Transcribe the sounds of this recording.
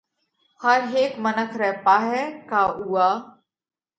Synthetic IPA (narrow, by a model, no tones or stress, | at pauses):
həɾɦeːkmənəkʰɾɛɦpaːɦɛːkaːʔuaː